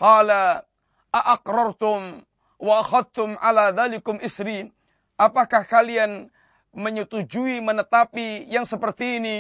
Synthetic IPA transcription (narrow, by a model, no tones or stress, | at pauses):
qɑːla | ʔaʔaqɾɑrˤt̪ʊm | waʔaxaðt̪ʊmʕa̰laðaːlɪkʊmʔɪsɾiːn | ʔapakahkalian | məɲut̪ud͡ʒuimənət̪apijaŋsəpərt̪iːni